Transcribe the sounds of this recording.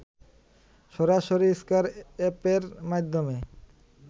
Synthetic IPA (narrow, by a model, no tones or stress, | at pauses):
ʃɔɾaʃoɾiskaɾepeɾmad̪ʱːome